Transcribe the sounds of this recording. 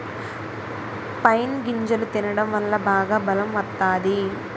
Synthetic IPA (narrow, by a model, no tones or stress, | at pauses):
pɐjnɡiɲd͡ʒɐlut̪inɐɽɐmʋɐlːɐbaːɡaːbɐlɐmʋɐt̪ːaːd̪i